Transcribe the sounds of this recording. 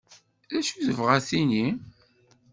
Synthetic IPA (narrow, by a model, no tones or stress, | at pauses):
ðæʃuðəvʁæθini